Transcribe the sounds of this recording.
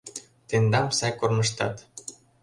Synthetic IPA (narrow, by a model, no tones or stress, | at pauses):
t̪end̪ɑmsɑjkornɤ̆ʃt̪ɑt̪